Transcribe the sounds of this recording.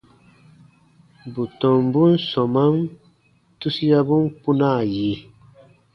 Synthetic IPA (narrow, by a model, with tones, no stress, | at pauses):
bu˨tɔ̃˨mbu˦nsɔ˨ma˦m | tu˦si˦ja˦bu˦npu˦na˦˨je˨˦